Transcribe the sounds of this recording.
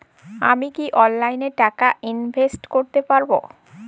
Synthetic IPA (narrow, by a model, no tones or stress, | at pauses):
amikiʔɔnːajneʈakainbʱesʈkoɾt̪epaɾbo